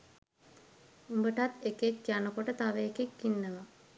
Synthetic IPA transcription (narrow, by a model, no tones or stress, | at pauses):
umbəʈat̪ekekːijanəkoʈət̪aʋəekekːinːəʋa